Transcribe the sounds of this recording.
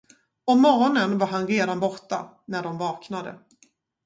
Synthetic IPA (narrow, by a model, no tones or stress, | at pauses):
ɔmmːɔɾɔnənvaɾɦanɾeːd̪anbɔʈːa̰ | næɖɔmvɑːknad̪ə̰